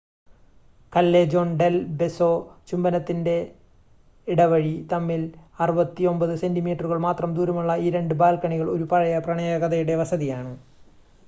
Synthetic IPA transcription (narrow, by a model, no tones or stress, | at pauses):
kɐlːeːd͡ʑo̞ːɳɖelbe̞sot͡ɕumbɐnɐt̪ːinde̞ | iɽɐʋɐɻit̪ɐmːilɐrubɐt̪ːio̞mbɐðɨse̞ndimiːʈːɐruɣɐɭmaːt̪rɐmd̪uːɾɐmuɭːɐiːɾe̞ɳɖɨbaːlkɐɳiɣɐɭo̞ɾupɐɻɐjɐprɐɳɐjɐɣɐðɐjuɽe̞ʋɐsɐðijaːɳɨ